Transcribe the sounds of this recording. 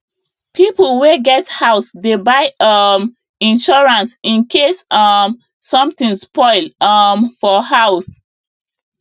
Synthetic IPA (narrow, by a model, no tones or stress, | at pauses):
pʰiplweɡɛthaʊsdebaɪʌm | ĩnʃɔɹãnsĩnkʰesʌm | sɔ̃mtĩnspɔɪlʌmfɔhaʊs